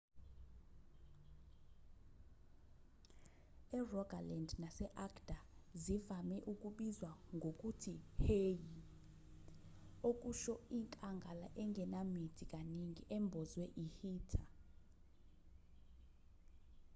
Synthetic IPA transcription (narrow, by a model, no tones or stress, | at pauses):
ɛrɔɡʱalɛndnasɛʔakʰd̥ʱazivamɛʔukʼuɓizwaŋɡʱokʼutʰiheji | ok̬ʼuʃɔiŋkʼaŋɡʱalaʔɛŋɡʱɛnamitʰikʼaniŋiʔɛmbʱɔzwɛʔihiːtʰa